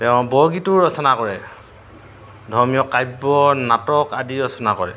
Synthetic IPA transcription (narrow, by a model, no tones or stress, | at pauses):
tɛʊ̃bɔɹɡitʊɹɔsɔnakɔɹɛ | dʱɔɹmijɔkajbɔnatɔkadiɹɔsɔnakɔɹɛ̰